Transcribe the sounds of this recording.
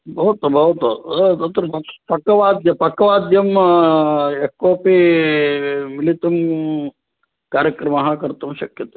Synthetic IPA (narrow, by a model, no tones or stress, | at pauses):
bʱɐʋɐt̪bʱɐʋɐt̪ut̪ɐt̪ɾɐpɐpɐkːɐʋaːd̪jɐpɐkːɐʋaːd̪jɐm | ekoːpi | milit̪um | kaːɾjɐkɾɐmɐɦɐkɐɾt̪ɐmʃɐkjɐt̪e̥